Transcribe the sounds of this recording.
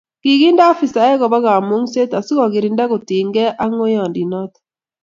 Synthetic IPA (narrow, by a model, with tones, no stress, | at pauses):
ki˨ɣi˦nda˦fi˨sa˨ɛ˦ɣɔ˨βa˦ɣa˨mu˦ŋse˦ta˨si˦ɣɔ˨ɣɪ˨ɾi˨nda˦ɣo˨ti˨ŋɡɛ˦ʔa˦ŋo˦jɔ˨ndi˨nɔ˦t̪